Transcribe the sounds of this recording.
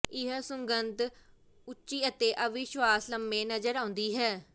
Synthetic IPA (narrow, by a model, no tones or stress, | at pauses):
ɪɦsʊŋɡənt̪ | ʊt͡ʃːʃiːət̪eːʔəʋɪʃʋaːsləmːẽːnəzəɾãːʊnd̪iːɦɛː